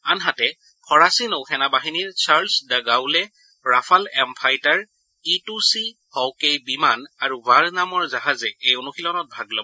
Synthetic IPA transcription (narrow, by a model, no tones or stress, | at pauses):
anɦatɛ | pʰɔɹasinoxʰɛnabaɦiniɹsʰaɹlsdaɡawlɛ | ɹapʰalɛmpʰajtaɹ | itusi | hɔwkejbimanaɹuvaɹnamɔɹzaɦazɛejonuxilɔnɔt̚bʱaɡlɔbɔ